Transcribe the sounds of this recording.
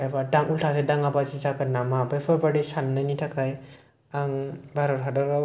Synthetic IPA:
ajbadaŋultʰasedaŋabazizakaɾnamabajpʰɯɾpaɽisanːɯnitʰakʰaj | aŋbaɾɔɾɦadɔɾa

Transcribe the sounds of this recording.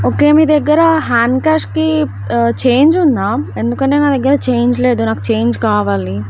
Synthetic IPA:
oːke̞ːmiːd̪ɛɡːɐɾɐɦaːɳkaːʂʈki | t͡ʃe̞ːɲd͡ʒund̪aːe̞nd̪ukɐɳʈe̞ːnaːd̪ɛɡːɐɾɐt͡ʃe̞jɲd͡ʒle̞ːd̪unaːkut͡ʃe̞jɲd͡ʒkaːʋaːli

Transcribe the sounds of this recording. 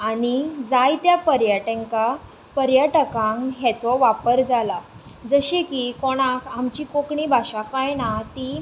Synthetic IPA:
aɽ̃id͡zajt̪japəɾjəʈẽŋka | pəɾjəʈəkãŋkɦɛt͡sɔʋapəɾd͡zʱala | d͡zəɕekiːkɔɽ̃ãkʰamt͡ɕiːkokɳiːbʱaɕakajnat̪i

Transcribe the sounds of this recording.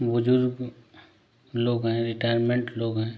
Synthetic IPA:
ʋʊd͡ʒʊɾɡ | loːɡɦɛ̃ɾɪʈaːjɾmẽɳʈloːɡɦɛ̃ː

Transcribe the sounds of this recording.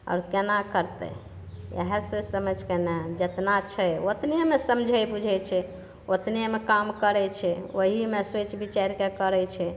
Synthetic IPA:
a̰ɾkenakəɾt̪ɛ̰ | jə̰ɦɛset͡ʃsəməd͡ʒʱkenɛd͡ʒet̪nat͡ʃʰɛjot̪niemesəmd͡ʒʱəjbud͡ʒʱɛt͡ʃʰɛ | ot̪niemekamkəɾɛt͡ʃʰɛoɦimeset͡ʃʰbit͡ʃaɾkekəɾɛt͡ʃʰɛ

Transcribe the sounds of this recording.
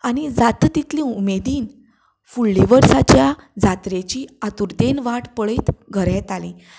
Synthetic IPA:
aɽ̃id͡zat̪t̪it̪lĩumed̪iːn | fulːiʋəɾsat͡ɕjad͡zat̪ɾet͡ɕiːat̪uɾd̪enʋaʈpəɭeːt̪ɡʱəɾɛ̃t̪alĩː

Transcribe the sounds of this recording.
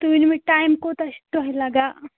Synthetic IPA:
t̪uinmẽʈaːjmkot̪ɐst̪uɦilɐɡaː

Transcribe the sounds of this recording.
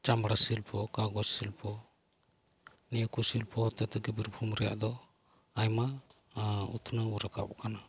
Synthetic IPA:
t͡ʃambɽasilpʰɔkaɡɔsilpʰɔ | niakusilpʰɔhɔt̪ɛt̪ɛɡɛbiɾpʰumɾɛja̰ʔd̪ɔ | ajma | ut̪ʰnauɾaka̰bɔ̰kana

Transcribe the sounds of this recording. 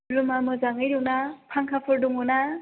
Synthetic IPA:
ɾumamɯzaŋɯjɾɯwnapʰaŋkʰapʰɯɾduŋɯna

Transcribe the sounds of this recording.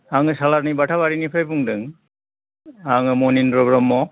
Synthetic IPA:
haŋɯsalaɾnibaʈʰabaɾinipʰajpuŋdɯŋ | aŋɯmɔninpɾɔbɾɔmːɔ

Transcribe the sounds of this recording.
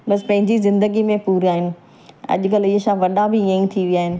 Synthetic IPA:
bɐspɐ̃ɦɪ̃ɲd͡ʑizɪ̃nd̪əɡimẽpuːɾiaːɦɪnɪ̆ | ɐ̰ʄʊkɐlɪɦəsãːʋɐɗãbɪə̃ĩt̪ʰiʋijaːɦɪnɪ̆

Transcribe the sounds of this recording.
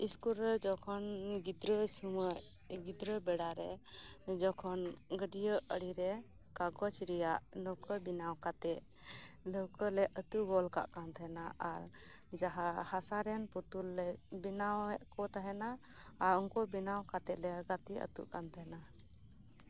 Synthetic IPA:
iskuɾɛɾd͡ʒɔkʰɔnɡid̪ɾəsuməʔ | ɡid̪ɾəbɛɽaɾɛd͡ʒɔkʰɔnɡəɖijəʔəɽiɾɛ | kaɡɔt͡ʃɾɛjaʔlɔwkəbinawkat̪ɛʔ̚ | ləwkəlɛʔət̪uɡɔlka̰ʔkant̪aɦɛnaʔaɾ | d͡ʒaɦahasaɾɛnput̪ulːɛbinawɛʔkɔt̪aɦɛna | aɾɔŋkɔbinawkat̪ɛʔlɛɡat̪iə̰t̪ṵʔkant̪aɦɛna

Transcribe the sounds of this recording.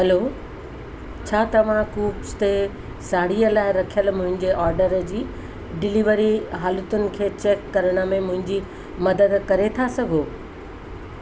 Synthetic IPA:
ɦɐlo | t͡ɕʰaːt̪ɐʋ̤ãkuːpst̪e | saːɽ̤ijəlaːɪɾɐkʰijəlmʊ̃ɦɪ̃ɲd͡ʑeʔɔːɾɖəɾd͡ʑiː | ɖɪliʋəɾiɦaːlət̪ʊnɪ̆kʰeːt͡ɕeːkːɐɾəɽ̃ə̆mẽmʊ̃ɦɪ̃ɲd͡ʑi | mɐd̪əd̪kɐɾet̪ʰasɐɡʱoː

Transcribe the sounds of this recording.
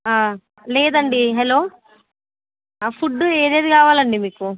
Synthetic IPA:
aː | lɛːd̪ɐɳɖiɦɛlo̞ː | pʰuɖːueːd̪eːd̪ikaːʋaːlɐɳɖimiːku

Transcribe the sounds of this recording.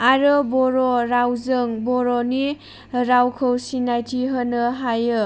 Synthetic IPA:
aɾɯbɔɾɔɾawzɯŋbɔɾɔni | ɾawkʰɯwsinajtʰiɦənɯɦajɯ

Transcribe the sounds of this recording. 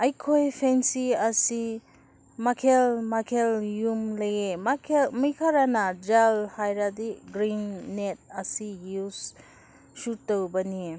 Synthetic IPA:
ɐjkʰojpʰensiɐsi | makʰelmakʰeljumlɐjemakʰmijkʰaɾanɐd͡ʒalhajɾadiɡɾinːet̚ɐsijus | sutːowbɐni

